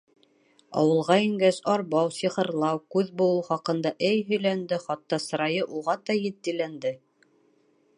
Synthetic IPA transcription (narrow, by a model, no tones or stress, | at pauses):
ɑ̰wɤ̆lˠʁɑiŋɡæsɑɾβɑwsiχɤ̆ɾlˠɑwkʉðbŭlˠuχɑqɤ̆nd̪ɑʔɘjɦɵ̆jlænd̪ɘχɑt̪ːɑsɤ̆ɾɑjɤʔuʁɑt̪ɑjɘ̆t̪̚ːĭlænd̪ɘ